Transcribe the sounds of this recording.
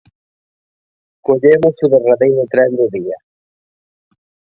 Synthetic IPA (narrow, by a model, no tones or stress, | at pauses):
koʎemʊsʊðeraðejɾʊt̪ɾɛnd̪ʊðiɐ